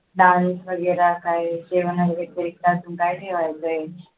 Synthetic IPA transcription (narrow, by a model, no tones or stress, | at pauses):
ɖansʋəɡəɾakajseʋənaet̪əɾik̚t̪aːsuːnkajʈ̪ʰeʋajt̪əe